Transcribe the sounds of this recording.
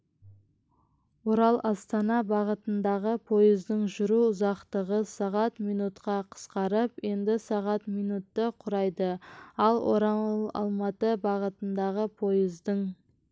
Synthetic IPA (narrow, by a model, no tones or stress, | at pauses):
woɾɑlˠʔɑst̪ɑnɑbɑʁət̪ənd̪ɑʁəpʰo̞jəzd̪əɴʒʊɾuʊzɑqt̪əʁəsɑʁɑt̪mijnut̪qɑqʰə̥sqɑɾəpje̞nd̪ɪsɑʁɑt̪mijnut̪ːəqʰʊɾɑjd̪əɑlˠwʔo̰ɾɑɑ̰lˠmɑt̪əbɑʁət̪ənd̪ɑʁəpʰo̞jəzd̪əɴ